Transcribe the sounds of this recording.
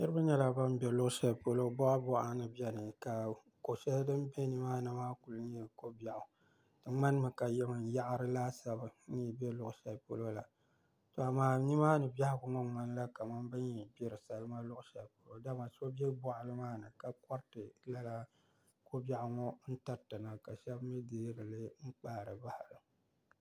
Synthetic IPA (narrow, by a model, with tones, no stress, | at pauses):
nɨ˦ɾɨ˦ba˦ɲɛ˦la˨ba˦m˦bɛ˨lʊ˦ʔʊ˦ʃɛ˦lpo˦lo˦bɔ˦ʔa˦bɔ˦ʔa˨nɨ˨bɛ˦nɨ˨ka˨ | ko˨ʃɛ˦ldɨ˦m˦be˦ni˦maː˦nɨ˨maː˦ku˨lɨ˦ɲi˦ko˦ba˨ʔʊ˨ | tɨ˨ŋ͡ma˦n˦mɨ˨ka˨jɛ˦mɨ˨n˨ja˦ʔa˦ɾɨ˦laː˦sa˨bɨ˨˦nɨ˦˨bɛ˦lʊ˦ʔʊ˨ʃɛ˨lpo˦lo˦la˨ | to˨a˨maː˦ɲi˦maː˦nɨ˨ba˦hɪ˦bʊ˨ŋɔ˦ŋ͡ma˦n˦la˦ka˨ma˦mbɨ˦ɲ˦ɛ˨bɛ˦ɾɨ˨sa˦lɨ˦ma˦lʊ˦ʔʊ˦ʃɛ˨lpo˨lo˦da˦ma˨so˦bɛ˦bɔ˦˨ʔʊ˨lɨ˦maː˦nɨ˨ka˨kɔ˦ɾtɨ˨la˦la˦ | ko˦ba˦ʔʊ˨ŋɔ˦n̩˦ta˦ɾtɨ˨na˨ka˨ʃɛ˦bmɨ˦deː˦ɾɨ˨lɨ˦ŋ͡m̩˦k͡paː˦˨ɾɨ˨ba˦ha˨ɾɨ˨